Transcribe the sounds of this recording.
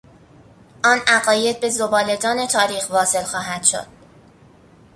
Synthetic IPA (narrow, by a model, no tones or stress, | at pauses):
ʔɒːnʔæɣɒːje̞d̪̚be̞zobɒːle̞d̪ɒːne̞t̪ʰɒːɾiːxvɒːse̞lxɒːɦæd̪̥ʃo̰d̪̥̚